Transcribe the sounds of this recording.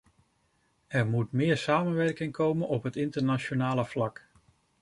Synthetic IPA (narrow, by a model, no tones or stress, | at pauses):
ɛɹmutmɪːɹsaːmənʋɛɹkɪŋkʰowmənɔpɦətɪntəɹnat͡ʃonaːləv̥lɑk